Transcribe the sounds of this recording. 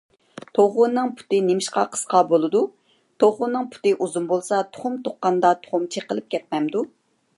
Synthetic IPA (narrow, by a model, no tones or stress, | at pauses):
t̪ʰoʁʊnːɨŋpʰu̥t̪ɨnemɪʃqɑ̰qʰə̥sqʰɑbolˠɨd̪u | t̪ʰoʁʊnːɨŋpʰu̥t̪ɨʔuzumbolˠsɑt̪ʰo̥χʊmt̪ʰoqːɑnd̪ɑt̪ʰo̥χʊmt͡ʃʰeqəlˠɨp̚kʲɛt̪̚mɛmd̪u